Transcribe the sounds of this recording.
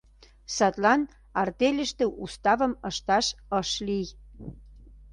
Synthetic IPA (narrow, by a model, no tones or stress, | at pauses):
sɑt̪lɑn | ɑrt̪elʲə̆ʃt̪ĕʔust̪ɑβə̆mə̆ʃt̪ɑʃɤʃlij